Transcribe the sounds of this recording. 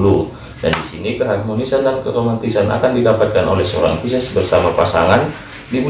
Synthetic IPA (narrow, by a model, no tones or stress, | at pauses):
lu | dandisinikəɦarmonisandankəɾomant̪isanʔa̰kandidapat̪̚kano̰lɛhsəoɾa̰ŋfisasbərsamapasaŋan | dimu